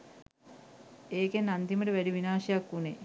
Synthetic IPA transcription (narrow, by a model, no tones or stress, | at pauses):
eːkenand̪iməʈəʋæɖiʋinaːʃejakːune